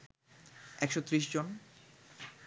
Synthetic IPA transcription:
ɛkʃot̪ːɾiʃ̬d͡ʑon

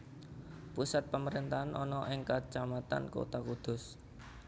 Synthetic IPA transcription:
pusat̪̚paməɾint̪aɦanʔɔnɔʔɪŋkat͡ʃamat̪a̰nko̰t̪akud̪̥ʊ̤s

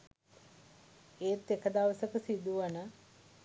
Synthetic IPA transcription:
eːt̪ːekəd̪aʋəsəkəsid̪uʋanə

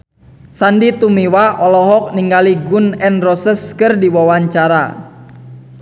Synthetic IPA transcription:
sandit̪umiwaʔɔlɔɦɔk̚niŋɡaliɡʊnɛnrɔsəskɨrdiwawaɲt͡ʃaɾa̰

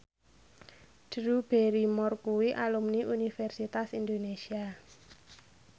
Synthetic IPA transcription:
d̥ɾub̥eɾimɔrkuwiʔalumniʔunifɛrsit̪asind̪onesia

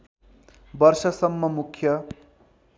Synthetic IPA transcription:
bʌrsʌsʌmːʌmukʰjʌ

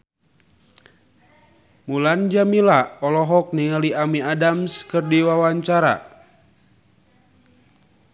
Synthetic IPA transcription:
muland͡ʒamilaɔlɔɦɔk̚niŋaliʔamiadamskɨrdiwawaɲt͡ʃaɾa̰

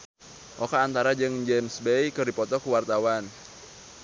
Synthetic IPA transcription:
ʔɔkaːnt̪aɾad͡ʒɨŋd͡ʒɛmsbejkərdipɔt̪ɔkuwart̪awan

